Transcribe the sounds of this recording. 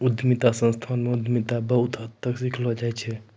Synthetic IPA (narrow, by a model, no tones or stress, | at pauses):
ud̪mit̪asə̃nst̪ʰanmeud̪ʱmit̪abəɦut̪ʰət̪ːəksiklɔd͡ʒajt͡ʃʰɛ